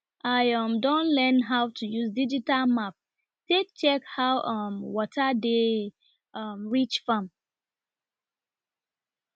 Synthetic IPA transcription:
ʔaɪʌ̃mdɔ̃nlɛnɦaʊtʰujuzdid͡ʒitalmap̚ | tek̚t͡ʃɛkhawʔʌmwɔtʰade | ʌmɹit͡ʃfãm

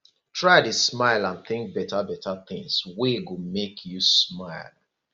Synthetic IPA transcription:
tʰɹaɪdesmaɪlãnθɪ̃ŋk̚bɛtabɛtaθɪ̃ŋsweɡomekʰjusmaɪlˠ

